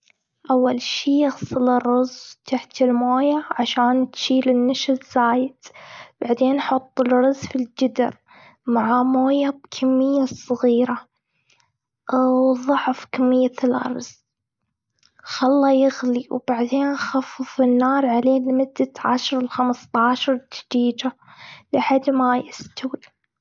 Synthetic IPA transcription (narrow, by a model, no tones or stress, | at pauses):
ʔawːalʃiːjaɣsˤɨlɪrˤːʊzt̪ʰaħt̪ɪlmoːjaʕaʃaːnt̪ʃiːlɪnːaʃɪzz̥aːjɪd̪b̥aʕd̪eːnħʊt̪ˤːɪlɾɑzfild͡ʒɪd̪ɪ̰ɾ | maʕamoːjab̚kʰamːɪjːasˤɑɣiːɾa | wðˤʊʕfkamːɪjːalʔɑ̰ɾˤz | xalːɑjɪɣliwb̥aʕd̪eːnxafːɨfɪnːɑːɾˤʕaleːlmʊd̪ːaʕa̰ʃɑɾˤɪlxamst̪ˤɑːʃɑɾˤd̪ḁd̪iːd͡ʒalħad̪ːmajɪst̪awi